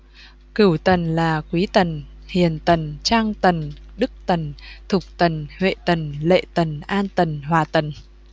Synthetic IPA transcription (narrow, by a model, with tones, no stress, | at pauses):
kɨ˧˩wt̪ə˨˩nlaː˨˩kwi˨˦t̪ə˨˩n | hi˨˩ənt̪ə˨˩nt͡ɕaː˧ŋt̪ə˨˩nɗɨ˦˥k̚t̪ə˨˩nt̪ʰʊ˨˩k͡p̚t̪ə˨˩nhwḛ˧˨t̪ə˨˩nlḛ˧˨t̪ə˨˩nʔaː˧nt̪ə˨˩nɦwaː˨˩t̪ə˨˩n